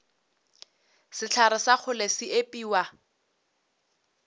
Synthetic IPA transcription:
sɪt͡ɬʰaɾɪsak͡xʰʊlesɪepʼiːwa

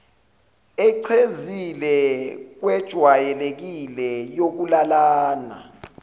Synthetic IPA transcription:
ɛǀʰezilɛk̬wɛd̥ʒ̥ʱwajɛlek̬ilɛjok̬ulalaːna̰

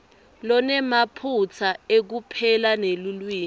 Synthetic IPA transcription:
lɔnɛmapʰut͡sʰaek̬upʰɛlanelulwiːn

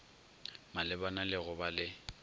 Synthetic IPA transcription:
malɪbanalɪɣʊbalɪ

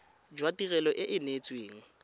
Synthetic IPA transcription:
d͡ʒwatirɛlɔʔɪʔɪnet͡sʼweːŋ̩

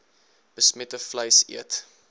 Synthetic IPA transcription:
b̥əsmɛtəfləjsḭət

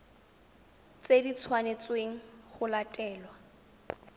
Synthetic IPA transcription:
t͡sedit͡sʰwanet͡sweŋ̩χʊlatʼɛːlwa

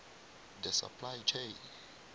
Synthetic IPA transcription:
d̪ɛsa̰pʰlajt͡ʃʰẽjn

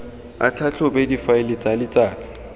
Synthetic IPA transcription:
a̰t͡ɬʰat͡ɬʰʊbɛdifaɪlɪt͡sʼalɪt͡sʼaːt͡sʰʼɪ̥

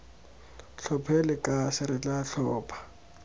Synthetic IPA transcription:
ɬʰɔpʰɛlɪkʼasɪɾɪt͡ɬʼaɬɔːpʰḁ

